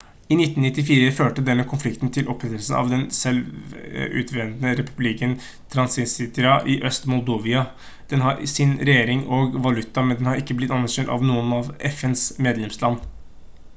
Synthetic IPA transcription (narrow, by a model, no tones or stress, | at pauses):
ɪnɪt̪ːnnɪt̪ːɪfiːɾəføːʈəd̪ɛnːəkʰʊnflɪkt̪nt̪ʰɪlʔɔpʰːɾɛt̪ːəlsən̩ʔɑ̰ʋd̪ɛnsɛlʋʉ̰t̪ʰʋɛnd̪nəɾɛpʉblɪkən | t̪ʰɾɑnsɪnsɪt̪ɾɑʔɪʔœst̪mʊld̪oːʋɪɑ | d̪̥ɛnɦɑɾsɪnɾɛjeːɾɪŋoːɡʋɑlʉt̪ːɑmɛnd̪ɛnhɑɾɪkːəblɪt̪ːɑnːæɾɕøːnt̪ɑ̰ʋnuːənɑʋɛfɛnsmeːd̪lɛmslɑnː